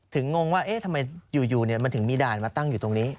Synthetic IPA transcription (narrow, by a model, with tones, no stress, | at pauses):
t̪ʰɯ˩˦ŋːo˧ŋwaː˥˩ʔe˦˥t̪ʰa˧ma˧jjuː˨˩juː˨˩ni˥˩ma˧nt̪ʰɯ˩˦ŋmiː˧daː˨˩nmaː˧t̪a˥˩ŋjuː˨˩t̪o˧ŋniː˦˥